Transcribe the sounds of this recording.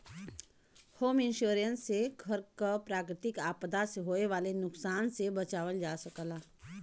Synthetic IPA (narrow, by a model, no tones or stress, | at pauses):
hoːmɪ̃nʃuːɾə̃nsːekʰəɾkapɾaːkɾɪt̪ɪkaːpd̪asɦoːeʋaːlenʊksaːnsebɐt͡ʃaːʋəld͡ʒaːsəkəlaː